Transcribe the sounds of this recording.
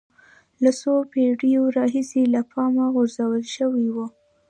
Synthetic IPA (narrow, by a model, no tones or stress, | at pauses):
lasopeɽijoɾɑɦiselapʰɑmaɣʊɾzawəlʃəwiwu